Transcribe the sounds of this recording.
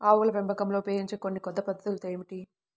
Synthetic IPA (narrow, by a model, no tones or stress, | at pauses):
aːʋulɐʋembʱɐkɐmloːpeːiɲt͡ʃeːkonːikɔd̪ːɐpɐd̪ːɐt̪ulut̪ejmiʈi